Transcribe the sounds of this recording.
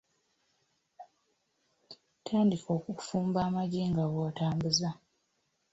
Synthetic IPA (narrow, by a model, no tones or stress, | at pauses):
tʰaːndikʰo̞ːkufuːmbaːmaɟiːŋɡawoːtaːmbuza